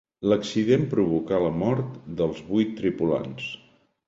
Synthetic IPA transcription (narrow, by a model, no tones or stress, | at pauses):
ləksiðempɾuβukaləmɔɾt̪d̪əlˠzβujt̪ːɾipula̰ns